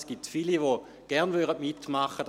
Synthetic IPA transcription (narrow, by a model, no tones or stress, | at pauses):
sɡ̥itfiliʋo | ɡ̥ɛʁnvyʁədmitmaχəd